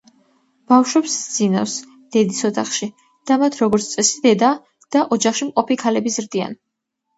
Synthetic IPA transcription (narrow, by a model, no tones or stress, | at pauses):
b̥afʃwɛpsd̪zina̰fs | d̪̥ɛd̪isɔt̪ʰaχʃi | d̪̥amat̪ʰɾɔɡɔɾt̪sʰt̪ʼɛsid̪ɛd̪a | d̪̥aʔɔd͡ʒaχʃimqʼɔpikʰalɛbizɾd̪ia̰n